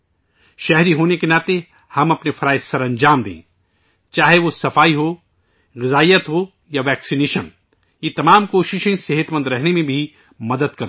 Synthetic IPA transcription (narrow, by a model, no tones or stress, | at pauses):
ʃɛɦɾiɦoːnekenaːt̪e | hɐmɐpnefʰɐɾaːɪsɐɾɐ̃ɲd͡ʒaːmd̪ḛ̃ː | t͡ʃaːɦeʋosɐfaːiɦo | ɣɪzaːijət̪ɦo | jaʋɛːksineːʃən | jet̪ɐmaːmkoːʃɪʃẽsɪɦət̪mə̃nd̪ɾɛɦnemẽbʱi | mɐd̪əd̪kɐɾ